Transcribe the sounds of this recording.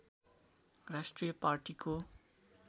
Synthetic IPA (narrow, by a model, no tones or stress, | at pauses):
rasʈrijʌpaɾʈikʰo